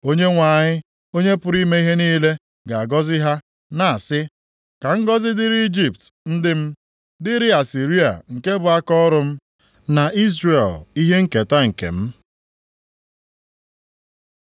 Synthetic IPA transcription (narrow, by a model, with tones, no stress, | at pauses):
o˦ɲe˦ŋʷa˨ɲɪ˦ | o˦ɲe˦pʊ˨˦ɾi˦me˦i˦ɦe˦niː˦le˦ | ɡa˨a˨ɡɔ˦zɪ˦ɦa˦ | na˨a˨sɪ˦ | ka˨ŋ̩˦ɡɔ˦zɪ˦dɪ˦ɾi˦i˦d͡ʒi˨p̚tn̩˦dɪ˦m̩˦ | dɪ˦ɾɪ˦a˨si˨ɾi˦a̰˨ŋ̩˨ke˦bʊ˨a˦kɔ˦ɾʊ˦m̩˦ | na˨i˦zɾe˨li˦ɦe˦ŋ̩˦ke˨ta˦ŋ̩˨kḛ˨m̩˦